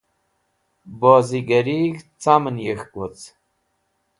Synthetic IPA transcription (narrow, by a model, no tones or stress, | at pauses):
bɔːziɡəɾikt͡samənjəxkot͡s